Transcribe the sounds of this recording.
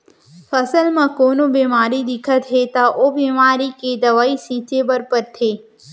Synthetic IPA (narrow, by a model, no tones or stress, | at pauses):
pʰɐsəlmãkoːnobiːmaːɾid̪ɪkʰət̪ɦet̪aʔoːbiːmaːɾiked̪ɐʋaːisĩːt͡ʃebɐɾpəɾt̪ʰeː